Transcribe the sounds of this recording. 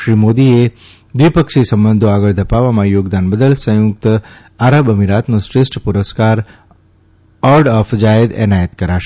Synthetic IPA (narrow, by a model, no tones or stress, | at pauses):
ʃɾiːmoːd̪ie | d̪ʋipəkʃisɐ̃mbə̃nd̪ʱoaːɡəɾd̪ʱɐpaːʋamãjoːɡd̪aːnbəd̪əlsə̃juk̚t̪ | aːɾəbəmiɾaːt̪nosɾɪsʈpʊɾəskaːɾ | ɔːɾɖɔːfʰd͡ʒaːjəd̪ɛ̰ːnaːjət̪kɐɾaʃ